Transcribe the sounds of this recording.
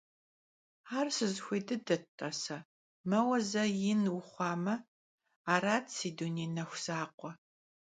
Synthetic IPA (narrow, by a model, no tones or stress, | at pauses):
aːrsɨzxʷedɨdɐtʼːɐsɐ | mɐwɐzɐjɪnwʊχʷɑːmɐ | aːɾaːtʰsiːduneːnɐxʷz̥aːqʷɔ